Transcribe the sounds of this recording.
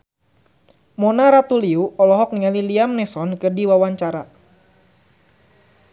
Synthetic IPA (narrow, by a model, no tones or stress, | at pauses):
mɔnaɾat̪uliuɔlɔɦɔk̚niŋaliliamnɛsɔnkɨrdiwawaɲt͡ʃaɾa